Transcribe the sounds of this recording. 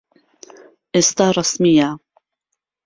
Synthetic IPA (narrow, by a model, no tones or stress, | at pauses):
ʔɪst̪arˤɑsmɪja